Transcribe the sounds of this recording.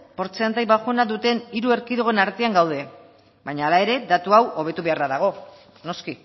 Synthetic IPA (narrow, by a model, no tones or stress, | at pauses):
po̞ɾt͡seant̪ajβaɣunaðut̪e̞niɾue̞ɾkiðoɣe̞naɾt̪eaŋɡawðe̞ | bajɲaːlae̞ɾe̞d̪at̪uawʔo̞β̞e̞t̪uβe̞araðaɣ̞o̞ | no̞ski